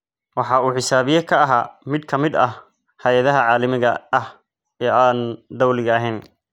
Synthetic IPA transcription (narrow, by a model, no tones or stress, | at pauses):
wɑħɑːuːħɪsaːβɪjɐkʰɐɐɦaːmɪd̪kʰɐmɪd̪ɐh | hɐjɐðɐɦɐʕɑːlɐmɪɣɐɐh | ɛʔaːnd̪ɐwlɪɣɐɐɦɛːn